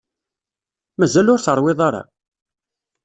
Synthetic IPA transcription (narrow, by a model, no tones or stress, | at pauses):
mæzælʊɾθəɾˤwɪðˤɑɾˤɑ̰